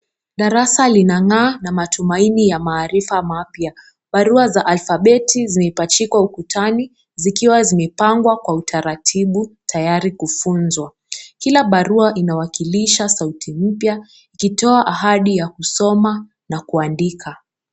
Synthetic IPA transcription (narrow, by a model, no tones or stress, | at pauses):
ɗaɾasalinaŋaːnamatumainijamaːɾifamapja | ɓaɾuazaʔalfaɓɛtʰizimɛpat͡ʃikwaukutʰani | zikiwazimɛpaŋɡwakwautʰaɾatʰiɓutʰajaɾikufunzwa | kilaɓaɾuaʔinawakiliʃasautʰim̩pja | ikitɔaʔaɦaɗijakusɔma | nakuandikʰa